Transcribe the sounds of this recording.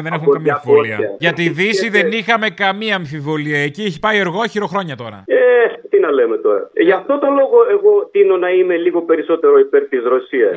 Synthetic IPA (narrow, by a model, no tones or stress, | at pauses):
ðenexumɐɐmiɐfvoliɐɐʝɐt̪iðisiðe̞nixɐme̞kɐmiɐːɱfivo̞liɐecieçi̥pɐieɾɣo̞çiɾo̞xɾo̞ɲɐt̪o̞ɾɐ̰et̪inɐleme̞t̪o̞ɾɐ̰ʝɐft̪o̞t̪o̞lo̞ɣo̞e̞ɣo̞t̪ino̞nɐime̞liɣo̞pe̞ɾiso̞t̪e̞ɾoipeɾt̪izɾo̞siɐs